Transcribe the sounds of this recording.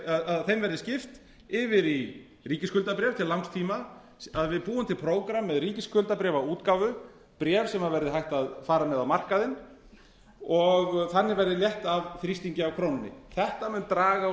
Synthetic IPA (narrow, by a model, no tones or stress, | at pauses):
aðaðθejmvɛɾðɪscɪft̪ | ɪvɪɾi | riːcɪskʏlt̪apɾjɛvt̪ʰɪllːawŋst̪ʰiːma | aðvɪðpuːʏmt̪ʰɪlpʰɾoːwkɾamːɛðriːcɪskʏlt̪apɾɛːvauːt̪kavʏ | pɾjɛːv̥sɛmhaðvɛɾðɪɦajht̪aðfaːɾamɛðawmar̥kaðɪn | ɔɣθanːɪvɛjɾðɪljɛht̪avθɾist̪iɲcɪawkʰɾownɪnːɪ̰θɛht̪amʏnt̪ɾaːɣa